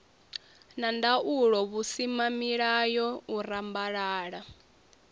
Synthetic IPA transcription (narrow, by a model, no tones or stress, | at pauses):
nandaʔuɺɔβusimamiɺajɔurambaɺaːɺa